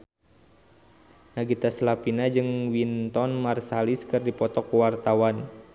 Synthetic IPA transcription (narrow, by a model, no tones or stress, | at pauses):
naɡit̪aslapinad͡ʒɨŋwint̪ɔnmarsaliskɨrdipɔt̪ɔkuwart̪awan